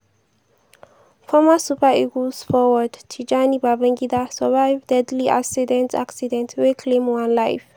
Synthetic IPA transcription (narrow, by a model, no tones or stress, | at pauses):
fɔmasupaiɡosfɔwədtʰud͡ʒanibabɛ̃ŋɡidasəvajvdɛdliʔa̰ksidɛ̃nta̰ksidɛ̃ntʰwekʰlẽmwãnlajf